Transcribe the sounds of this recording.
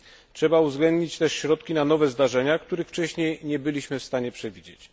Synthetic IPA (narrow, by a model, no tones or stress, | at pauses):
tʂɛbauvzɡlɛnd̪ɲit͡ɕt̪ɛʂɕɾɔt̪̚kʲinanɔvɛzd̪aʐɛɲakt̪uɾɘxft͡ʂɛɕɲejɲɛbɘlʲiɕmɘfst̪aɲɛpʂɛvʲid͡ʑet͡ɕ